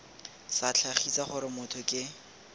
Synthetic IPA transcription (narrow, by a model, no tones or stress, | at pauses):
sat͡ɬʰaχit͡saχʊɾɪmʊtʰɔkʼɪ